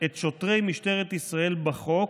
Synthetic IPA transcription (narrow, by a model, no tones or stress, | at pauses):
et̪ʃo̞t̪ʁe̞jmiʃte̞ʁet̪isʁae̞lbaχo̞